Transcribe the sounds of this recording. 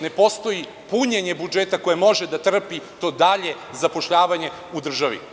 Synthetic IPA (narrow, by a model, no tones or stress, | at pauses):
ne̞po̞st̪o̞ji | puɲeɲebud͡ʒet̪ako̞jemo̞ʒed̪at̪r̩pit̪o̞ːd̪aʎe̞ | zapo̞ʃʎaːʋaɲe̞ | ud̪r̩ʒaʋḭ